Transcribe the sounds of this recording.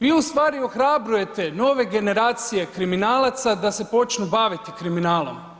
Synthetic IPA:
ʋiːust̪ʋaːɾio̞xɾabɾuje̞t̪e̞no̞ːʋe̞ɡe̞ne̞ɾaːt̪sije̞kɾiminaːlˠat̪sad̪ase̞po̞t͡ʃnubaːʋit̪ikɾiminaːlˠo̞̰m

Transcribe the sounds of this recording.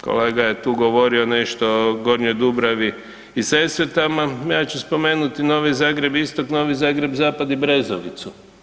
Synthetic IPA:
ko̰leːɡaje̞t̪uːɡo̞ʋo̞ɾione̞ʃt̪oɡo̞ɾɲojd̪ubɾaʋiː | sesɾet̪amajaːt͡ɕuspo̞me̞ːnut̪ino̞ːʋizaːɡɾe̞bist̪okno̞ːʋizaːɡɾe̞bzaːpad̪ibɾe̞zoʋḭt̪su

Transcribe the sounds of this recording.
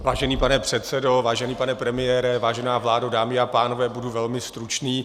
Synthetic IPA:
vaːʒɛniːpanɛpr̥ɛt̪t͡sɛdo̞vaːʒɛniːpanɛpɾɛmɪjɛːɾɛvaːʒɛnaːvlaːdadaːmɪapaːno̞vɛːbuduvɛlmɪst̪ɾut͡ʃniː

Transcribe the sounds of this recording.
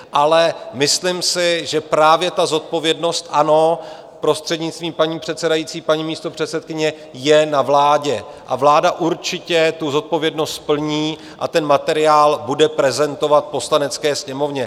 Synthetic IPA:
ʔalɛmɪslɪmsɪʒɛpɾaːvjɛt̪azo̞t̪̚po̞vjɛdno̞st̪ʔano̞ | pɾo̞st̪r̥ɛdɲɪt͡st̪viːmpaɲiːpr̥ɛt̪sɛdajit͡siːpaɲiːmiːst̪o̞pr̝̥ɛt̪sɛt̪̚kɪɲɛ | jɛnavlaːɟɛ | ʔa̰vlaːdaʔuɾt͡ʃɪcɛt̪uzo̞t̪̚po̞vjɛdno̞st̪pl̩ɲiː | ʔa̰t̪ɛnmat̪ɛɾɪaːlbudɛpɾɛzɛnt̪o̞vat̪̚po̞slanɛt͡skɛːsɲɛmo̞vɲɛ

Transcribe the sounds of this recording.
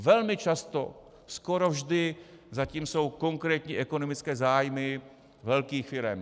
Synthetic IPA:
vɛlmɪt͡ʃast̪o̰ | skoɾo̞vʒdɪzaciːmso̞wko̞ŋkɾɛːt̪ɲiːʔɛkonomɪt͡skɛːzaːjmɪ | vɛlkiːxfɪɾɛm

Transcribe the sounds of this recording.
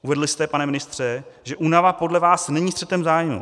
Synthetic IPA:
uvɛdlɪst̪ɛpanɛmɪnɪst̪r̝̥ɛʒɛʔuːnavapo̞dlɛvaːsnɛɲiːst̪r̥ɛt̪ɛmzaːjmṵ

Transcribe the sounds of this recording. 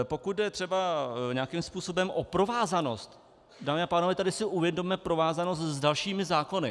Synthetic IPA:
po̞kut̪̚dɛt̪r̥ɛbaɲakiːmspuːso̞bɛmʔo̞pɾo̞vaːzano̞st̪ | daːmɪapaːnovɛt̪adɪsɪʔuvjɛdommɛpɾo̞vaːzano̞st̪zdalʃiːmɪzaːko̞nɪ

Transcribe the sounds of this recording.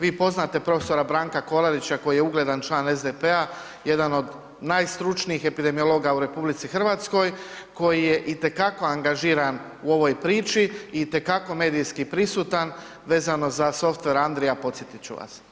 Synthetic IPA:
ʋiːpo̞znat̪e̞pɾo̞feso̞ɾabɾaːŋkako̞lˠaɾit͡ɕako̞jijeuɡle̞d̪ant͡ʃlˠaːnezd̪epea | je̞d̪ano̞d̪ | najst̪ɾut͡ʃniixe̞pid̪e̞mio̞lo̞ɡauɾe̞publit̪sixr̩ʋaːt̪sko̞jko̞jije̞ʔit̪e̞kako̞aŋɡaʒiːɾan | uo̞ʋo̞jpɾiːt͡ʃiit̪e̞kako̞meːd̪ijskipɾisuːt̪an | ʋe̞ːzano̞zaso̞ft̪ʋe̞ɾand̪ɾijapo̞t̪sjet̪it͡ɕṵʋa̰s

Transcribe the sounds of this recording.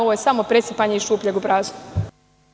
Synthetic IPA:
oʋojesamo̞pɾet̪sipaɲeiʃuːpʎeɡupɾaːzu̥

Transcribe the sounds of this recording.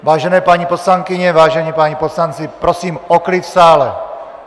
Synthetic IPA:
vaːʒɛnɛːpaɲiposlaŋkɪɲɛvaːʒɛɲipaɲiposlant͡sɪpɾosiːmoklɪt̪saːlɛ

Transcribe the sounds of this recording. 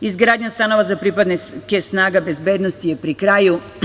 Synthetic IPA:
izɡɾaːd̪ɲast̪ano̞ʋazapɾipad̪nekesnaːɡabezbeːd̪nost̪ijepɾikɾaːju

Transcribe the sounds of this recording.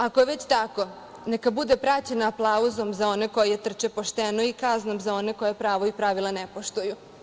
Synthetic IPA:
ako̞jeʋet͡ɕt̪ako̞ | nekabud̪epɾat͡ɕenaːplˠauzo̞mzao̞neko̞jijet̪r̩t͡ʃepo̞ʃt̪enoikaznomzao̞ne̞ko̞jepɾaːʋoipɾaʋilˠanepo̞ʃt̪uju

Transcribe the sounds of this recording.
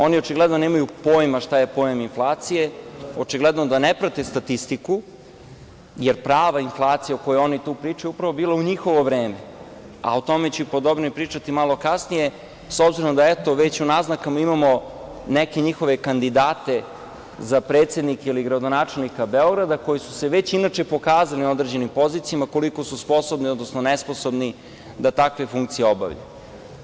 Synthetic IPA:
o̞nio̞t͡ʃiɡled̪no̞neːmajupo̞ːjmaʃt̪ajepo̞jeminflˠaːt̪sije̞o̞t͡ʃiɡled̪nod̪anepɾat̪est̪at̪ist̪iku | jeɾpɾaːʋainflˠaːt̪sijeokojeo̞nit̪uːpɾiːt͡ʃajuupɾaʋo̞biːlˠauɲixo̞ʋo̞ʋɾeːme̞ | a̰ot̪o̞me̞t͡ɕupo̞d̪obniipɾiːt͡ʃat̪imalˠo̞kasnije̞ | so̞bziɾomd̪aet̪o̞ʋet͡ɕunaznakamaimamo̞neke̞ɲixo̞ʋe̞kand̪id̪aːt̪e̞ | zapɾeːt̪se̞d̪nikeiliɡɾad̪o̞naːt͡ʃe̞lnikabe̞o̞ɡɾad̪ako̞jisu̥se̞ʋe̞t͡ɕinat͡ʃepo̞kaːzalio̞d̪ɾed͡ʑe̞nimpo̞zit̪sijamako̞liko̞suspo̞so̞bnio̞d̪nosnonespo̞so̞bni | d̪at̪akʋe̞fuŋkt̪sijeo̞ba̰ʋʎa̰

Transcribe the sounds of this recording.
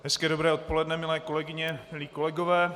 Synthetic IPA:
ɦɛskɛːdobɾɛːot̪̚po̞lɛdnɛmɪlɛːko̞lɛɡɪɲɛmɪliːko̞lɛɡovɛː

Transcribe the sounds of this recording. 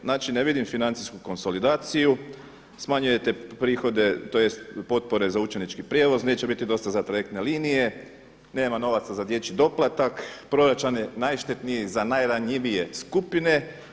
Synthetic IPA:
naːt͡ʃineʋid̪imfinant̪siskuko̞nso̞lid̪aːt̪siju | smaɲuje̞t̪e̞pɾiːxo̞d̪e̞t̪oːje̞st̪po̞t̪̚po̞ɾe̞zaut͡ʃenit͡ʃkipɾʲjeʋo̞zneːt͡ʃe̞bit̪id̪o̞st̪azat̪ɾajek̚t̪ne̞liːnije̞ | ne̞ːmano̞ʋat̪sazad̪je̞t͡ʃid̪o̞plˠat̪akpɾo̞ɾat͡ʃaninajʃt̪et̪nijezanajɾaɲiʋije̞skupine̞

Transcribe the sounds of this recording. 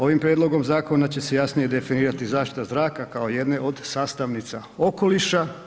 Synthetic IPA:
o̞ʋimpɾjed̪lˠo̞ɡo̞mzaːko̞nat͡ɕe̞se̞jasnije̞d̪e̞finiːɾat̪izaːʃt̪i̥t̪azɾaːkakao̞je̞d̪ne̞ʔo̞d̪saːst̪aʋnit̪sa | o̞ko̞liʃa

